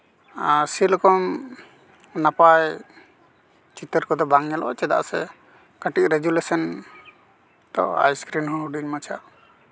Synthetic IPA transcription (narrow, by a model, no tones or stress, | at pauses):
silɔkɔm | napaj | t͡ʃit̪əɾkɔd̪ɔbaŋɲɛlɔɔt͡ʃɛd̪a̰ʔsɛ | kəʈiʔ̚ɾeɡulesɔn | t̪ɔ̰a̰jskɾinhɔɦuɖinmat͡ʃʰaʔ